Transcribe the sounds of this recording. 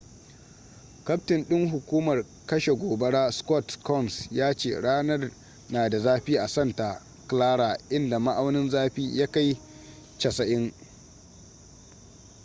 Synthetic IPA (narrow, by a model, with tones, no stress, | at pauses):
kɐ˦ptɪ˨nɗɪ˦ŋɦʊ˨kʷuː˦mɐ˨r | kɐ˦ʃe˨ɡʷoː˨bɐ˦ɽaː˦skʷɔ˦˨tkɔ˦˨nsjaː˦t͡ʃḛː˨ɽaː˦nɐ˦r | naː˨da˨zaː˦ɸiː˦ʔa˨sɐ˦˨nta˨ | klaː˦ɽaː˨ʔɪ˦nda˨ma˦ʔa˦wnɪ˦nzaː˦ɸiː˦ja˦ka˦j | t͡ʃɐ˨sɐ˨ʔɪ˦ŋ